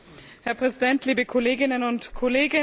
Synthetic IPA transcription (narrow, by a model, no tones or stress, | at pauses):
hɛɐpʁ̥ɛzidɛntliːbəkʰɔleːɡɪnənʊntkʰɔleːɡə